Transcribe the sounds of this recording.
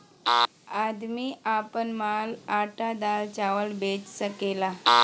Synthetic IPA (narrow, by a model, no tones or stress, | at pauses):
ad̪miapənmalaʈad̪alt͡ɕaʋəlbet͡ɕsəkela